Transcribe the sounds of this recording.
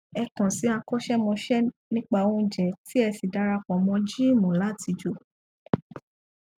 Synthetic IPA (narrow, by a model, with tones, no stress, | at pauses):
ɛ˧kɔ̃˨si˨˦a˧kɔ˦ʃɛ˦mɔ̃˧ʃɛ˦nĩ˦k͡pa˧˨õ˧˦d͡ʒɛ˨ti˦ɛ˧si˨da˧ɾa˧kɔ̃˨mɔ̃˧d͡ʒi˦˨mɔ̃˨la˨˦ti˧d͡ʒo˧˦